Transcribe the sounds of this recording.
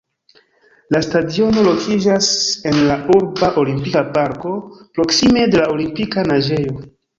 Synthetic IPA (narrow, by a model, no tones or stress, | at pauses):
lastadio̞no̞lo̞kʰid͡ʒase̞nlauɾbaʔo̞limpikapaɾko̞pɾo̞ksime̞de̞laolimpikanaʒe̞jo̞